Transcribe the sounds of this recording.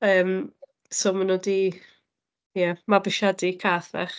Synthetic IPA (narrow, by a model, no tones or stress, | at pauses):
əːm | somanodi | jɛmabɪʃadikʰaːθvɛ̰χ